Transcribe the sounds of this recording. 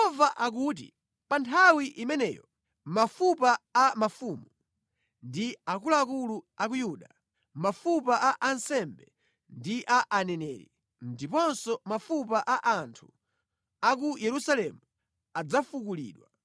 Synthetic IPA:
jɔvaʔak̬uːt̬ḭ | pantʰawiʔimɛnɛ̰ːjɔ | mafupaamafumu | ndiakulaakuluak̬ujuɗa | mafupaʔaʔansɛmbɛ | ndiʔaʔanɛnɛːɾḭ | ndipɔnsɔmafupaʔaʔantʰu | akujɛɾusalɛmu | ad͡zafukulḭːɗwa

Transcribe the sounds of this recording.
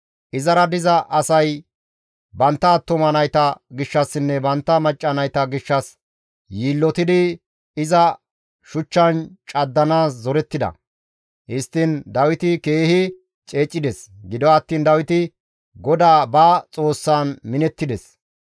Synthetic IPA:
ʔɪzɐɾɐd̪ɪzɐʔɐsɐj | bɐnt̪ːɐːt̪ːʊmɐnɐjt̪ɐɡɪʃːɐsːɪnːɛbɐnt̪ːɐmɐt͡ʃʼːɐnɐjt̪ɐɡɪʃːɐs | jiːlːɔt̪ɪd̪ɪ | ɪzɐ | ʃʊt͡ʃːɐnt͡ʃʼɐd̪ːɐnaːszɔɾɛt̪ːɪd̪ɐ̰ | hɪst̪ːɪnd̪ɐwɪt̪ɪke̞ːhɪ | t͡ʃʼe̞ːt͡ʃʼːɪd̪ɛsɡɪd̪ɔɐt̪ːiːnd̪ɐwɪt̪ɪ | ɡɔd̪aːbaːt͡sʼo̞ːsːaːnmɪnɛt̪ːɪd̪ɛs

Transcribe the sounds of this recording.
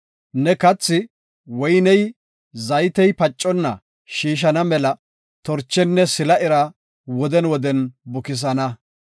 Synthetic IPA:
nɛkɐt͡sːɪ | wɔjnɛj | zɐjt̪ɛjpɐt͡ʃʼːɔnːɐ̰ | ʃiːʃ̬ɐnɐmɛlɐ | t̪ɔɾt͡ʃːɛnːɛsɪlɐʔɪɾɐ | wɔd̪ɛnwɔd̪ɛnbʊkɪs̬ɐnɐ

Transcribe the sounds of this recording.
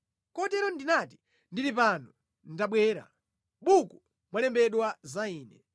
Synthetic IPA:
kɔtɛɾɔndinati̥ | ndiɾipanu | n̩taɓwɛːɾa̰ | ɓuku | mwalɛmbɛɗwazaiːnɛ

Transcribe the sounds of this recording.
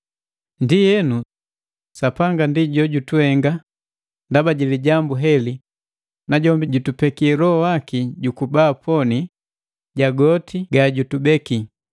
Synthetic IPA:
ndijɛnu | sapaŋɡandiɟɔɟutuɛŋɡa | ndabaɟiliɟambuɦɛli | naɟɔmbiɟutupɛkiɛlɔhɔwakiɟukubaːpʰɔni | ɟaɡɔtʰiɡaɟutubɛki

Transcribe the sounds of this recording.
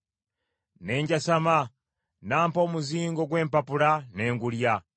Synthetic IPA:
neːɲɟasama | naːmpoːmuziːŋɡoɡweːmpapulaneːŋɡulja

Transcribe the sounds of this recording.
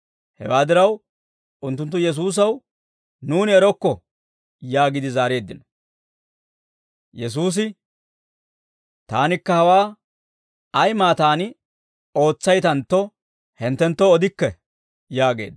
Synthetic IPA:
hɛ̰waːd̪ɪɾɐw | ʊnt̪̬ːʊnt̪ːʊjɛs̬uːs̬ɐw | nuːnɪɛɾɔkːɔ | jaːɡɪd̪ɪzaːɾe̞ːd̪ːɪnɔ̥ | jɛs̬uːs̬ɪ | t̪a̰ːnɪkːɐhɐwaː | ɐjmaːt̪aːnɪ | o̞ːt͡sːɐjt̪ɐnt̪ːɔ | hɛnt̪ːɛnt̪ːɔːd̪ɪkːɛ | jaːɡe̞̰ːd̪

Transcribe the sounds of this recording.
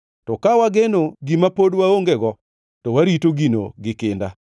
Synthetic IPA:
tɔkawaɡenoɡimapodwaoŋɡeɡɔ | tɔwaɾitoɡino̰ɡɪkɪnda̰

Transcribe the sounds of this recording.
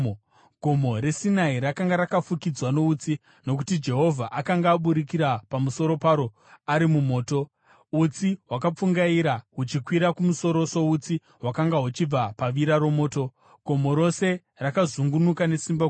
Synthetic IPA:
ɡʱo̞mo̞ɾe̞sinaiɾakaŋɡaɾakafukid͡zwano̞ut͡si | no̞k̬u̥tid͡ʒe̞ɦo̞vʱaʔakaŋɡaːɓuɾikiɾapamuso̞ɾo̞paɾo̞ | aɾimumo̞ːto̞ | ut͡siɦwakap͡fuŋɡaiɾaɦut͡ʃikwiɾakumuso̞ɾo̞so̞ut͡si | ɦwakaŋɡaɦut͡ʃib͡vapaʋiɾaɾo̞mo̞ːto̞ | ɡʱo̞mo̞ɾo̞se̞ | rakazuŋɡunukane̞simba

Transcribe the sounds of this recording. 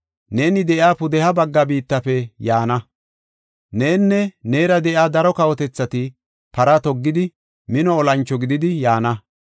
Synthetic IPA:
ne̞ːnɪd̪ɛʔjaːpʊd̪ɛhɐbɐɡːɐbiːt̪ːɐfɛjaːnɐ | ne̞ːnːɛne̞ːɾɐd̪ɛʔjaːd̪ɐɾɔkɐwɔt̪ɛt͡sːɐt̪ɪ | pɐɾɐt̪ɔɡːɪd̪ɪ | mɪnɔːlɐnt͡ʃːɔɡɪd̪ɪd̪ɪjaːnɐ

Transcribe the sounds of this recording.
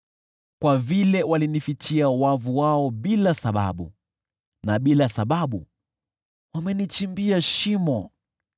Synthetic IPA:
kwavilɛwalinifit͡ʃiawavuwaɔɓilasaɓa̰ɓṵ | naɓilasaɓaɓu | wamɛnit͡ʃimbiaʃimɔ

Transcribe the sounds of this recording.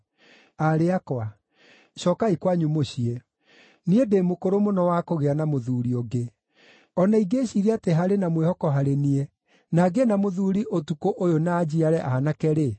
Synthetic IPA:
aɾeakwa | ɕɔkaikwaɲumoɕie | niedemokoɾomonɔwakoɣeanamoðuːɾioɡe | ɔnaiɡeːɕiɾeateɦaɾenamwehɔkɔɦaɾenie | naɡenamoðuːɾiʔotukoʔojonad͡ʑiaɾɛʔahanakɛɾe

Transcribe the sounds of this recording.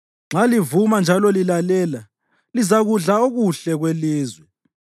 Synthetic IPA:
ŋ͡ǁalivumand͡ʒʱalɔlilalɛːla | lizaɣuɮaoɣuɬɛɣweliːzwɛ

